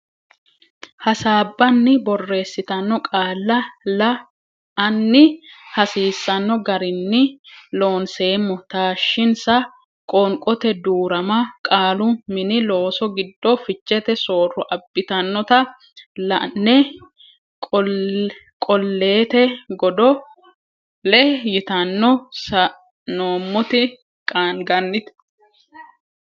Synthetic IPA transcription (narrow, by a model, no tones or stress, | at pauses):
hɐsaːbːɐnːɪbɔrːe̞ːsːɪt̪ɐnːɔkʼaːlːɐlɐ | ɐnːɪhɐsiːsːɐnːɔɡɐɾɪnːɪlo̞ːnse̞ːmːɔt̪aːʃːɪnsɐ | kʼɔŋkʼɔt̪ɛd̪uːɾɐmɐkʼaːlʊmɪnɪlo̞ːsɔɡɪd̪ːɔfɪt͡ʃːɛt̪ɛso̞ːrːɔʔɐbːɪt̪ɐnːɔt̪ɐ | lnːɛ | kʼɔlːe̞ːt̪ɛɡɔd̪ɔ | lɛjɪt̪ɐnːɔsɐ | noːmːʊt̪ɪ | kʼaːnɡɐnːɪt̪